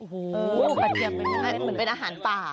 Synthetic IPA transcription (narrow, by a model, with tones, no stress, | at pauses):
o˧˩ʔɤː˧a˧˩t̪ʰi˧˩˧ɦa˥˩mɯ˩˦npe˧nʔaː˧ɦaː˩˦np̪aː˨˩